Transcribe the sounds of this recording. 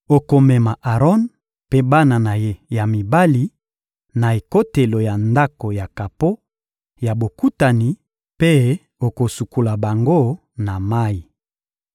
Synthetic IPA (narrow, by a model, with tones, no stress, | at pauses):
o˨ko˨mɛ˨ma˨ʔa˨ʁɔ˦n | pe˦ba˦na˨na˨je˦ja˨mi˨ba˦li˨ | na˨e˨ko˦te˨lo˨ja˨nda˦ko˨ja˨ka˨po˦ | ja˨bo˨ku˦ta˨ni˨ | pe˦ | o˨ko˨su˨ku˨la˨ba˨ŋɡo˦ | na˨ma˦i˨